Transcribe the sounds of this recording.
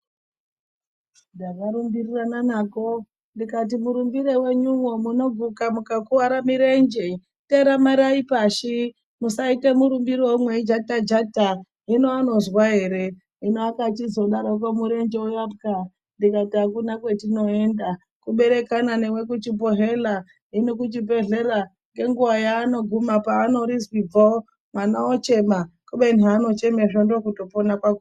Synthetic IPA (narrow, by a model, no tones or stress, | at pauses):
ndakaɾumbirirananako̞ | ndikat̬imuɾumbiɾewe̞ɲumomuno̞b͡vukamukakuaɾamiɾe̞nd͡ʒe | teɾamaɾaipaʃi | musaitemuɾumbiɾiwomweid͡ʒatad͡ʒata | ɦinoano̞zwaɦe̞ɾe̞ | ɦinoakat͡ʃizo̞ɗaɾok̬omuɾe̞nd͡ʒeujabɡa | ndikatiakunakwe̞tino̞e̞nda | kuɓe̞ɾe̞kanane̞we̞kut͡ʃipoɦe̞la | ɦinokut͡ʃipe̞ɮe̞ra | ŋɡe̞ŋɡuʋajaːno̞ɡʱumapaːno̞ɾizwib͡vo | manaot͡ʃe̞makuɓenano̞t͡ʃe̞meʐondo̞kuto̞ponakwaku